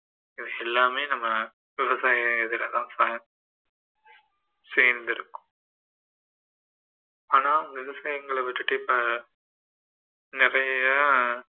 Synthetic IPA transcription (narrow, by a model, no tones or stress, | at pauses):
ɪðɯɛlːaːmeːnɐmːɐ | ʋɪʋɐsaːj̃ɛðɪɾɐt̪ãːsaːjɐ̃ | seːɾnd̪ɪɾɯkːʊ̥̃ | aːnaːʊŋɐʋɪʋɐsaːjɐŋɡɐɭɛʋɪʈːɯʈːɯɪpːɐ | nɪɾɐjɐ